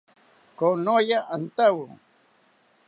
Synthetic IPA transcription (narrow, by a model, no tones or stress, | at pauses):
konojaʔant̪awṵ